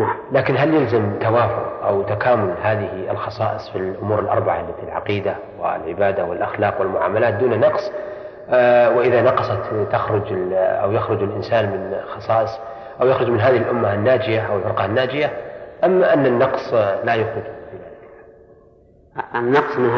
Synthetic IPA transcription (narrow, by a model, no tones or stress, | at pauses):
nalaːkɪnɦaljɪlzamt̪awaːfʊ̰qʔawt̪akaːmʊlhaːðɪhɪ̰lxɑsˤɑːʔɨsˤfilʔʊmuːɾɪlʔɑ̰ɾˤbaʕalːat̪ilʕɑ̰qiːd̪a | wɪ̰lʕɪbaːd̪awɪlʔaxlɑːqwɪlmʊʕa̰ːmalaːt̪̚d̪uːnanːɑqsˤ | wɪʔɪðanɑqɑsˤɑt̪ːaxɾʊd͡ʒɪʔa̰wjaxɾʊd͡ʒɪlʔɪnsaːnmɪnxɑsˤɑːʔɨsˤ | ʔawjaxɾʊd͡ʒmɪnɦaːðɪhɪlʔʊmːaanːaːd͡ʒɪjaʔawɪlfɪɾqɑhanːaːd͡ʒɪjaʔamːaʔanːanːɑqsˤlajʊxɾʊd͡ʒfiðaːðɪkalħaː | nːɑqsˤmɪn